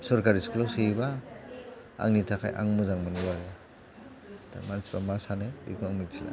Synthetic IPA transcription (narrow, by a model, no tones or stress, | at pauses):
sɔɾkaɾiskʰlɔwsiba | a̰ŋnitʰakʰajʔa̰ŋmɔzaŋmɔniwaɾa | tʰa̰mansibamasanaḭkɔaŋmitʰila̰